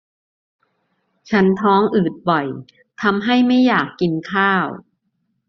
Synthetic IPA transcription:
t͡ɕʰa˦˥nt̪ʰɔː˦˥ŋʔɯː˨˩t̪̚bɔ˨˩j | t̪ʰa˧mɦa˥˩jma˥˩jːaː˨˩kːi˧nkʰaː˥˩w

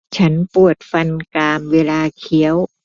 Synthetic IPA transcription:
t͡ɕʰa˦˥npu˨˩ət̪̚fa˧nkaː˧mweː˧laː˧kʰi˨˩˦əw

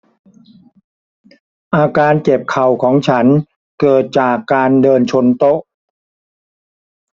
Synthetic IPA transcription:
ʔaː˧kaː˧nke˨˩p̚kʰa˨˩wkʰɔː˩˦ŋt͡ɕʰa˦˥n | kɤː˨˩t̪̚t͡ɕaː˨˩kːaː˧ndɤː˧nt͡ɕʰo˧nt̪o˦˥ʔ

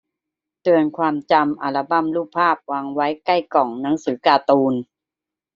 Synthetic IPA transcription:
t̪ɯ˧ənkʰwaː˧mt͡ɕa˧mʔa˧˩la˧ba˧˥˨mluː˥˩pʰaː˥˩p̚waː˧ŋwa˦˥jka˥˩jkɔ˨˩ŋna˦˥ŋsɯː˨˩˦kaː˧t̪uː˧n

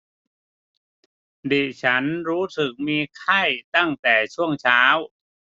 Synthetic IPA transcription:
diː˨˩t͡ɕʰa˦˥nɾuː˦˥sɯ˨˩k̚miː˧kʰa˥˩jt̪a˥˩ŋt̪ɛː˨˩t͡ɕʰu˥˩əŋt͡ɕʰaː˦˥w

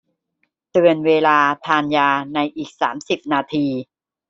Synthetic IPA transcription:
t̪ɯ˧ənweː˧laː˧t̪ʰaː˧njaː˧na˧jʔiː˨˩k̚sa̰ː˩˦msi˨˩p̚naː˧t̪ʰiː˧

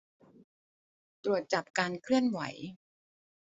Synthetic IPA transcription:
t̪ɾu˨˩ət̪̚t͡ɕa˨˩p̚kaː˧nkʰlɯ˥˩ənwa̰˩˦j

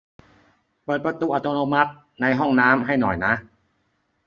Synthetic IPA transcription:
pɤː˨˩t̪̚pɾa˧t̪uː˧˩ʔa˧˩t̪oː˧noː˧ma˦˥t̪̚ | na˧jɦɔ˥˩ŋnaː˦˥mɦa˥˩jnɔ̰˨˩jna˦˥ʔ

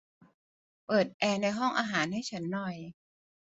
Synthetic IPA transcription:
pɤː˨˩t̪̚ʔɛː˧na˧jɦɔ˥˩ŋʔaː˧ɦaː˩˦nha˥˩jt͡ɕʰa˦˥nːɔ˨˩j

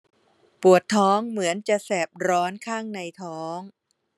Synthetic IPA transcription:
pu˨˩ət̪ʰːɔː˦˥ŋmɯ˩˦ənt͡ɕa˨˩ʔsɛː˨˩p̚ɾɔː˦˥nkʰaː˥˩ŋna˧jt̪ʰɔː˦˥ŋ

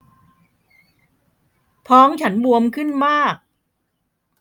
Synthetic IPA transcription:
pʰɔː˦˥ŋt͡ɕʰa˦˥nbu˧əmkʰɯ˥˩nmaː˥˩k̚

